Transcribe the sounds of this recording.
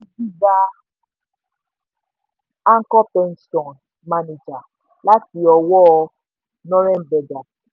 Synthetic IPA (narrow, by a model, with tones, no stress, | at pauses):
i˦bi˦ɡa˦ | a˦ŋ̩˦kɔ˦pɛ˦nstɔ˨n | ma˦ni˨d͡ʒa˨ | la˦ti˨ɔ˨wɔ˦ | nɔ˦ɾɛ˦m˨bɛ˨ɡa˨